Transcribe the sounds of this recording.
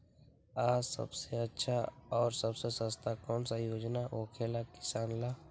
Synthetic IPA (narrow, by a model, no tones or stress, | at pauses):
aːsɐ̰bseɐtːʃʰaɔːɾsɐbsesəst̪ʰakɔːnsajoːd͡ʒnaʔoːkʰeːlakɪ̥saːnlaː